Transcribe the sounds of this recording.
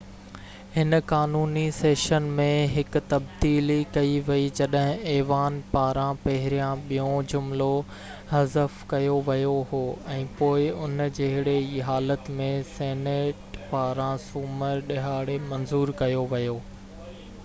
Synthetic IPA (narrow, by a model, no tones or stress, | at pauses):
hɪnkaːnuːniseːʃənmẽɦɪkʊ̆t̪ɐbd̪iːlikɐiʋɐid͡ʑɐɗɦɪ̃ɛːʋaːnpaːɾãpɐɦɪɾijãɓijõd͡ʑʊmlo | ɦɐzəfkɐjoʋɐjoɦoːɛ̃ːpoːɪʊnd͡ʑeɦɪɽeiːɦaːlət̪mẽseːneːʈpaːɾãsuːməɾɗɪɦaːɽemɐnzuːɾkɐjoʋɐjoː